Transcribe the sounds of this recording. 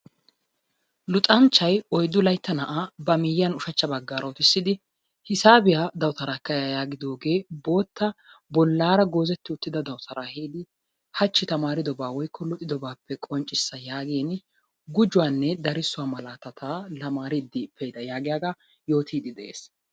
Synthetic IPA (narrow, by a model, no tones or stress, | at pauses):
lʊt̪ʼɐnt͡ʃːɐjɔjd̪ʊlɐjt̪ːɐnɐʔaːbɐmɪjːɐnʊʃɐt͡ʃːɐbɐɡːaːɾɐʊt̪ɪsːɪd̪ɪ | hɪsaːbɪjaːd̪ɐwt̪ɐɾaːkːɐjajaːɡɪd̪o̞ːɡe̞ːbo̞ːt̪ːɐ | bɔlːaːɾɐɡo̞ːzɛt̪ːɪʊt̪ːɪd̪ɐd̪ɐwt̪ʰɐɾaːhiːd̪ɪ | hɐt͡ʃːɪt̪ɐmaːɾɪd̪ɔbaːwɔjkʰːɔlʊt̪ʼɪd̪ɔbaːpːɛkʼɔnt͡ʃʼːɪsːɐjaːɡeːn | ɡʊd͡ʒʊwaːnːɛd̪ɐɾɪsːʊwaːmɐlaːt̪ɐt̪ʰaːlɐmaːɾɪd̪ːɪpʰːɛjd̪ɐjaːɡɪjaːɡa | jo̞ːt̪ʰiːd̪ɪd̪ɛʔḛːs